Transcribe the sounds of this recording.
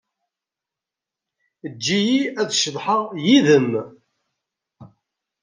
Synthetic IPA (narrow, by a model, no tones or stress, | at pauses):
əd͡ʒːijiæðʃəðˤħəʁjiðəm